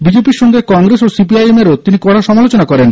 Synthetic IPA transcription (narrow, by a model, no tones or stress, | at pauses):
bid͡ʑepiɾʃɔŋɡekɔŋɡɾesosipiajemeɾot̪inikɔɽaʃɔmalot͡ɕonakɔɾen